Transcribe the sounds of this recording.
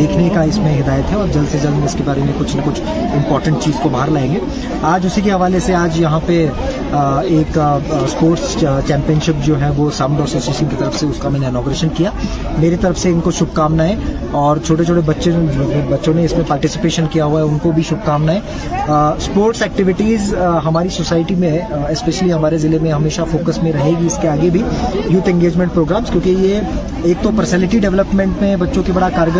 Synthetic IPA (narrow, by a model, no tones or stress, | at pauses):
eːkʰnekaɪsmẽɦɪd̪aːjət̪ɦɛɔːɾd͡ʒɐlsed͡ʒɐlmẽɪskebaːɾemẽkʊt͡ʃʰnɐkʊt͡ʃʰ | ɪ̃mpɔːɾʈə̃ɳʈ̚t͡ʃiːzkobaɦəɾlaẽːŋɡeː | aːd͡ʒʊsikeɦɐʋaːleseaːd͡ʒjɐɦãpe | eːkspoːɾʈst͡ʃɛ̃ːmpijənʃɪp̚d͡ʒoːɦɛʋosɐ̃ʊɖɔːsoːsieːʃənket̪ɐɾəfseʊskamɛːneɪnɔːɡʊɾeːʃənkijaː | meːɾet̪ɐɾəfseɪnkoʃʊb̚ʱkaːmnaɦɛ | ɔːɾt͡ʃʰoːʈet͡ʃʰoːʈebɐtːʃẽobɐtːʃõneɪsmẽpaːɾʈɪsɪ̥peːʃənkijaɦuaɦɛʊnkobʱiʃʊb̚ʱkaːmnaɦɛː | spoːɾʈsɛːk̚ʈɪʋɪʈiːzɦɐmaːɾisoːsaːɪʈimẽɛspɛʃəliɦɐmaːɾezɪlemẽɦɐmeːʃafoːkəsmẽɾɐɦeːɡiɪskeaːɡebʱijuːt̪ʰɛ̃ŋɡeːd͡ʒmɛ̃ɳʈ̚pɾoːɡɾaːmz̥kjõːkije | eːk̚t̪opəɾsɛːlɪʈiɖɛʋləpmẽɳʈmẽbɐtːʃõkebɐɽakaːɾəɡ